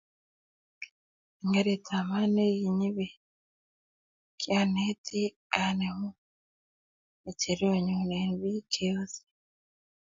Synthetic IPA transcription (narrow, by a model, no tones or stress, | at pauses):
eŋɡaɾetʰamanejiɲiβe | kjanetʰi | anemu | eceɾoɲunenβikʰeozi̥